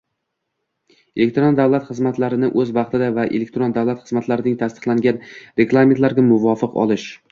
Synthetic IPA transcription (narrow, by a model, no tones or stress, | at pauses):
elek̚ʲt̪ɾond̪avlˠat̪χɨzmat̪laɾɪnɪʔɵzbɑqt̪ɪd̪avaʔḛlek̚ʲt̪ɾond̪avlˠat̪χɨzmat̪laɾɪnɪŋt̪ʰast̪ɨ̥qlˠaŋɡʲanɾe̞ɡlˠame̞nt̪laɾɡʲamʊvɒfɨqɒ̰lˠɪʃ